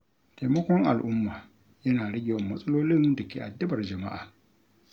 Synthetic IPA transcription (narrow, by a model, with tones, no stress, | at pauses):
ta˨jmɐ˦kʷɔ˦ŋʔa̰˨lʔʊ˦mːaː˨ | jɐ˦naː˨ɽɐ˦ɡʲɪ˨wɐ˨mːɐ˦sʼɐ˦loː˦lɪ˦ndɐ˨kʲeː˨ʔa˨dɐ˦bɐ˨rd͡ʒɐ˨ma̰˦ʔa̰ː˨